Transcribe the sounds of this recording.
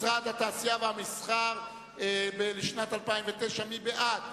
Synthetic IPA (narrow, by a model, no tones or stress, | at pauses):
sʁad̪hat̪aːsijaveamisχaʁ | ebeliʃnat̪alpaimvet̪eʃamibeʔad̪